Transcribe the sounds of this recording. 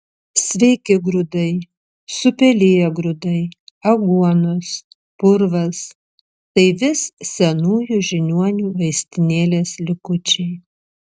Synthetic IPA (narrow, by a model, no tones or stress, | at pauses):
sʲʋʲɛɪkʲɪɡɾʊd̪ɐɪ | sʊpʲɛlʲɪjɛɡɾʊd̪ɐɪɐɡuɔnos | pʊɾʋɐs | t̪ɐɪʋʲɪssʲɛnuːjuʒʲɪnʲuɔnʲuːʋɐɪsʲt̪ʲɪnʲeːlʲeːslʲɪkʊt͡ʃʲɛɪ